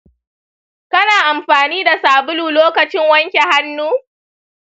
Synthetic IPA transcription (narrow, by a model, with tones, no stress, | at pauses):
kɐ˦naː˨ʔa˨mɸaː˨niː˦da˨saː˨bʊ˦luː˨loː˦kɐ˨t͡ʃɪ˦ŋwɐ˦ŋkʲe˨ha˦nːuː˦